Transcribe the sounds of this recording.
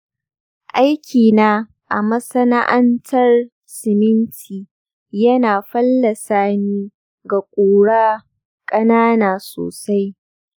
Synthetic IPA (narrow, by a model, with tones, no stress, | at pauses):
ʔa˦jkʲiː˨naː˦ | ʔa̰˨mɐ˦sɐ˦na˦ʔɐ˦ntʰɐ˦r | sɪ˨mɪ˦ntʰiː˨ | jɐ˦naː˨ɸɐ˦lːɐ˨saː˦niː˦ | ɡa˨kʷʼoː˨ɽaː˦ | kʼɐ˦naː˦naː˨so̰ː˨sa˦j